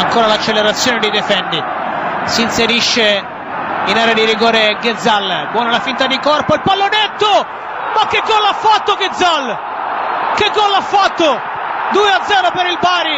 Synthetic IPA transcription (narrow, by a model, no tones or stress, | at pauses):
aŋkoːɾalat͡ʃːeleɾat̪sːjɔːned̪ejd̪efɛndi | siːnseɾiʃːe | inaːɾead̪iɾiɡɔːɾeɡed̪zːalːbwɔːnalafint̪ad̪ikɔrpoilpalːonet̪ːo | mak̟ːɪɡːɔlːafːat̪ːoɡed̪zal | kɪɡːɔlːafːat̪ːo | d̪uːead̪zɛːɾopeɾilbaːɾi